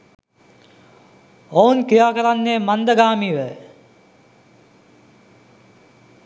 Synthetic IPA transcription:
ounkijaːkəɾanːeːmand̪əɡaːmiːʋɛː

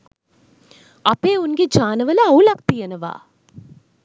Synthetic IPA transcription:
ɐpeːunɡed͡ʒaːnəʋələaulak̚t̪ijɐnəʋa̰ː

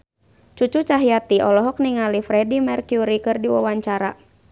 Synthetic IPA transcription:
t͡ʃut͡ʃut͡ʃaɦijat̪iɔlɔɦɔk̚niŋalifɾɛdimɛrkjuɾikɨrdiwa̰waɲt͡ʃaɾa̰

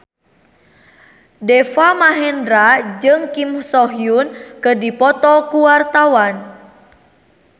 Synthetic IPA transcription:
dɛfamaɦɛndɾad͡ʒɨŋkimsɔɦijunkədipɔt̪ɔkuwart̪awan

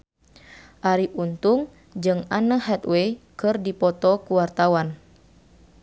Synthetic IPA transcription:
ʔaɾiʔunt̪uŋ | d͡ʒɨŋanəhɛt̪weikɨrdipɔt̪ɔkuwart̪awan

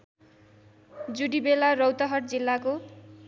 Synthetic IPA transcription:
d͡zuɽibelarʌwt̪ʌɦʌʈd͡zilːako

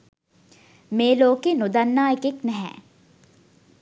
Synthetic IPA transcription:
meːloːkenʊd̪ənːaːekeknɛɦɛ̰̃ː

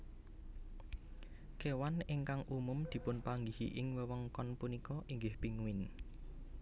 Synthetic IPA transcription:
kewanɪŋkaŋʔumʊmd̪̥i̤pʊnpaŋɡihiʔɪŋwəwəŋkɔnpunikɔʔiŋɡɪhpiŋuwɪn

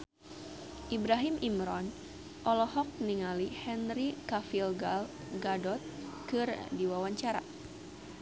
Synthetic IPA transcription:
ʔibɾaɦimʔimɾɔn | ʔɔlɔhɔk̚niŋalihɛnrikafilɡal | ɡadɔt̪̚kɨrdiwawaɲt͡ʃaɾa̰

